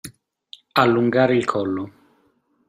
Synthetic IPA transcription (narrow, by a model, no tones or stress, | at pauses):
alːuŋɡaːɾeilkʰɔlːo